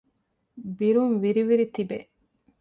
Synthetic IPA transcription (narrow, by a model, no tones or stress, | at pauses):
biɾuŋʋiɾiʋiɾit̪ibeʔ